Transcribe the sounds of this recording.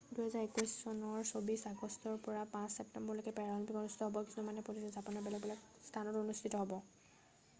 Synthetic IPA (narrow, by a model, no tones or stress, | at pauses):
duɦɛzaɹekujssɔnɔɹsobisaɡɔstɔɹpɔɹapãssɛp̚tɛmbɔɹlokɛpɛɹalɔmpikonustʰi̥tɔɦɔbɔkisɔmanɛpolisɔzapɔnɔɹbɛlɛk̚bɛlɛk | st̪ʰanɔtonustʰitɔɦɔbɔ